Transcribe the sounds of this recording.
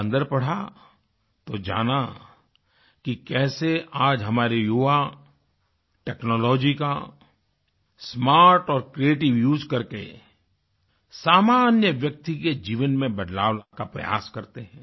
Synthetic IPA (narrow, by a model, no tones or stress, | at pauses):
nd̪əɾpɐɽ̤a | t̪od͡ʒa̰ːna | kikɛːseaːd͡ʒɦɐmaːɾejoːʋa | ʈɛːknɔːlɔːd͡ʒika | smaːɾʈɔːɾkɾieːʈɪʋjuːd͡ʒkɐɾkḛ | saːmaːnjəʋjɐk̚t̪iked͡ʒiːʋənmẽbɐd̪laːʋlakapɾɐ̰ja̰ːskɐɾt̪eɦɛ̃ː